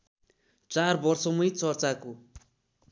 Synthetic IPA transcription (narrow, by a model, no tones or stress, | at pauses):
t͡sarbʌrsʌmʌjt͡sʌrt͡sako